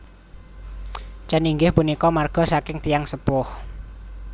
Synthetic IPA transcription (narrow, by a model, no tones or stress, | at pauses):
t͡ʃaniŋɡɪhpunikɔmarɡ̥ɔ̤sakɪŋt̪ijaŋsəpʊh